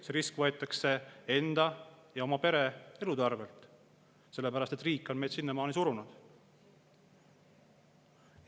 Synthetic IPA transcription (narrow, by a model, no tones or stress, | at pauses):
seɾiskvɤ̞e̞t̪ːˑɑkse̞e̞nd̪̥ɑjɑo̞mɑpe̞ɾee̞lud̪ɑrve̞lt̪ˑ | se̞lːe̞pæɾɑst̪e̞t̪ːriːkːˑo̞nme̞jd̪̥sinːemɑːnisuɾunud̪̥